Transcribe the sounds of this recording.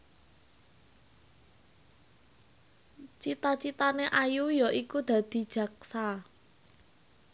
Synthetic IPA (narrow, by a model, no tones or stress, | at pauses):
t͡ʃit̪at͡ʃit̪aneʔajujɔʔikud̪̥a̤d̪̥i̤d̥ʒ̥ä̤ksa